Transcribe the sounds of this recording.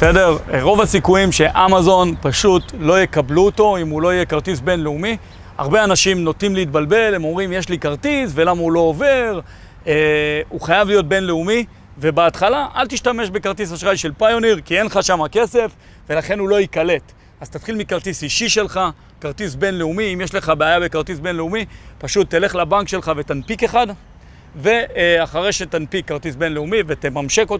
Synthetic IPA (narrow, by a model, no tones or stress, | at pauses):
sede̞ʁʁo̞vhasikujimʃe̞ʔamazo̞npaʃut̪lo̞jekabluːt̪o̞imulo̞ijekaʁt̪isbe̞nleumi | a̰ʁbeanaʃimno̞t̪nimleit̪̚balbe̞le̞mo̞mʁimjeʃlikaʁt̪isve̞lamaulo̞ove̞ʁ | euχajavlijo̞t̚be̞nleumi | ve̞beatχalaʔalt̪iʃtameʃbe̞kaʁt̪ishaʃʁajʃe̞lpajoniʁkie̞nχaʃamake̞se̞f | ve̞laχe̞nulo̞ikale̞t̪ | az̥t̪at̪χilmikaʁt̪isiʃiʃe̞lχa | kaʁt̪isbe̞nleumiimjeʃle̞χabeajabe̞kaʁt̪isbe̞nleumipaʃut̪ːele̞χlabaŋkʃe̞lχave̞t̪anpike̞χad̪ | ve̞aχaʁeʃe̞t̪anpikːaʁt̪isbe̞nleumivet̪emamʃe̞kot